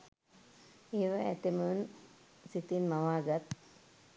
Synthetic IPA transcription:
eːʋaɛt̪emunsit̪inmaʋaːɡat̪̚

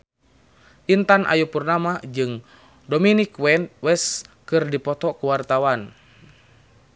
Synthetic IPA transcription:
ʔint̪anʔa̰jupurnamad͡ʒɨŋ | dominikwɛnwɛskɨrdipɔt̪ɔkuwart̪awan

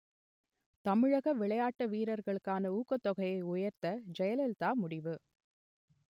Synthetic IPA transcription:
t̪ɐmɪɻɐɣɐʋɪɭɐjaːʈːɐʋiːɾɐɾɣɐɭɯkːaːnɐuːkːɐt̪ːɔɣɐjɐɪʊjɐɾt̪ɐd͡ʒɛjɐlɛlt̪aːmʊɽɪʋɯ

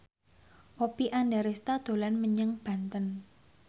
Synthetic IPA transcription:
ʔopiʔanɖaɾest̪ad̪̥o̤lanməɲəŋb̥ä̤nt̪ən

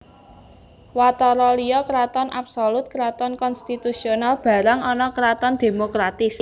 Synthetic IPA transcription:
wat̪ɔɾɔlijɔkɾat̪ɔnʔa̰psolut̪̚kɾat̪ɔnkɔnst̪it̪usionalb̥ä̤ɾaŋɔnɔkɾat̪ɔnd̪̥e̤mokɾat̪ɪs

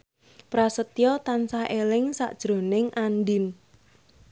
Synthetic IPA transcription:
pɾasət̪ijɔt̪ansahelɪŋsa̰ʔd̥ʒ̥ɾo̤nɪŋʔanɖɪn

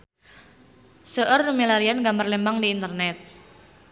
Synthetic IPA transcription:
səʔərumilaɾianɡamərlembaŋdiːnt̪ərnɛt̪̚

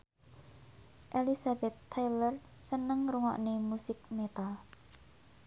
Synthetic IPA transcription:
ʔelisabɛt̪ʰːajlər | sənəŋruŋɔ̰ʔnemusɪk̚met̪a

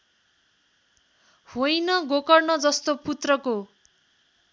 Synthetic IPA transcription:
hojnʌɡokʌrnʌd͡zʌst̪oput̪rʌko

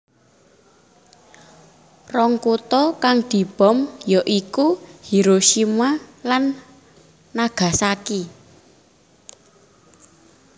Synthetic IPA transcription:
rɔŋkut̪ɔkaŋd̪̥i̤b̥ɔ̤mjɔʔikuhiɾoʃimalanː | aɡ̥a̤saki

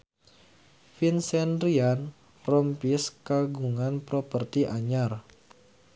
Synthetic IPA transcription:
finsɛnɾian | rɔmpiskaɡuŋanpɾopərt̪iʔaɲar

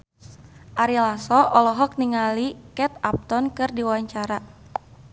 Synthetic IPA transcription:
ʔaɾilasɔʔɔlɔɦɔk̚niŋalikɛt̪ap̚t̪ɔnkɨrdiwaɲt͡ʃaɾa

